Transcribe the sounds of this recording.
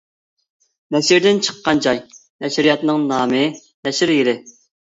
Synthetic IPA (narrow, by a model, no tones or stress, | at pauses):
nɛʃiɾd̪ɪnt͡ʃʰə̥qːɑnd͡ʒɑjnɛʃɾijɑt̪nɨŋnɑːmɨ | nɛʃɪɾjiɾɪ